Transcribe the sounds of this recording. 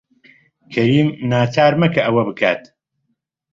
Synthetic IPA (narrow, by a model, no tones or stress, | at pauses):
kʰɐɾiːmnaːt̪ʰaːɾmɐkʰɐʔɐwɐbɨkʰa̰ːt̪